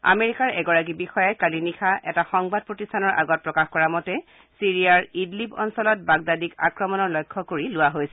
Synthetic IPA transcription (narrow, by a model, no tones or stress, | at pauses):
a̰meɹikaɹɛɡɔɹak̬ibixɔjajkalinixaɛtaxɔŋbad̚pɹotistʰanɔɹʔa̰ɡɔt̚pɹɔkaxkɔɹamɔtɛ | siɹijaɹidlipɔ̰nsɔlɔt̚baɡ̚dadikakɹɔmɔnɔɹlɔjkʰːɔkoɹilʊwaɦojsɛ